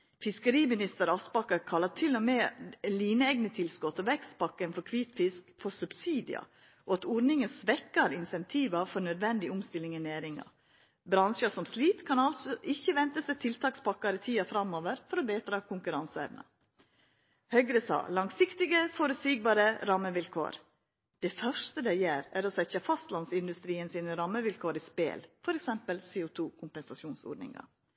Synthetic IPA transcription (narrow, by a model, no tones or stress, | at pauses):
fɪskəɾiːmɪnɪst̪əɾɑspɑkːɑkʰɑlːɑt̪ʰɪlːɔmɛliːnəɛɡnət̪ʰɪlskɔt̪ɔːʋɛkst̪̚pɑkːənfɔɾkʰʋiːt̪fɪskfɔsʉbsiːd̪ɪ̰ɑ̰ | ʔoːɑt̪ɔɾnɪŋənsʋɛkːɑɾɪnsɛnt̪ʰiːʋɑfɔɾnœd̪ʋɛnd̪ɪʊmst̪ɪlɪŋɛnæːɾɪŋɑ̰ | bɾɑnʃəsɔmsliːt̪kʰɑnɑlsɔʔɪçːəʋɛnt̪əsɛt̪ʰɪlt̪ʰɑːkspʰɑkːɑɾət̪ʰiːɑfɾɑmoːʋəɾfɔɾobeːt̪ɾɑːkʰʊŋkʉɾɑnsəɛ̰ʋnə̰ | hœɡɾəsɑ̰ːlɑŋsɪkt̪ɪɡəfɔɾʉt̪siːɡ̚bɑːɾəɾɑmːəʋɪlkʰo̰ːɾ | d̪̥ɛfœʂt̪əd̪ɛɪjeːɾæɾɔsɛçəfɑst̪lɑnsɪnd̪ʉst̪ɾiːənsiːnəɾɑmːəʋɪlkʰoːɾispḛːlfɔɾɛksɛmpəlseːʊt̪ʰuːkʰʊmpɛnsɑʃuːnso̰ːɖnɪ̰ŋɑ̰